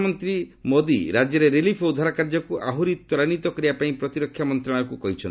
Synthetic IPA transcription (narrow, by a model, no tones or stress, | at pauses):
mɔnt̪ɾimod̪iɾad͡ʒjɔɾeɾelipʰoud̪ʱaɾakaɾd͡ʒɔkuʔaɦuɾit̪wɔɾanit̪ɔkɔɾibapaĩpɾɔt̪iɾɔkʰːjamɔnt̪ɾaɽ̃ɔɾɔkukɔɦit͡ʃʰɔn